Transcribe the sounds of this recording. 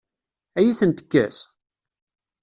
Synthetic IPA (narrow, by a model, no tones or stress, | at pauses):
æjiθənt̪ə̥kːæs